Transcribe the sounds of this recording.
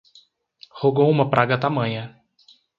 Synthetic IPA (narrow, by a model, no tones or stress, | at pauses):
hoɡoũmɐpɾʔaɡɐt̪amɐ̃ɲɐ